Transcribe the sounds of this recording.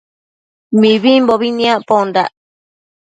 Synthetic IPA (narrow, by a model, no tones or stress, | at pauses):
mĩβimboβinĩãʔpond̪aʔ